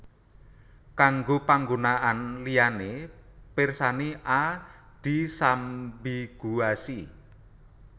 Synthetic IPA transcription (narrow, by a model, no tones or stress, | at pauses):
kaŋɡopaŋɡonaʔanlijanepɪrsaniʔa | d̪̥isambiɡ̥uasi